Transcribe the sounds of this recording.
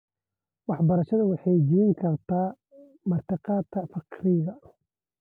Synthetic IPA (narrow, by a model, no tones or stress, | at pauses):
wɑħbɐɾɐʃɐðɐwɑħɑjd͡ʒɪɾɪŋkʰɐrt̪ʰaː | mɐrt̪ʰɪqɑːt̪kʰɐfɑqɾɪðɐ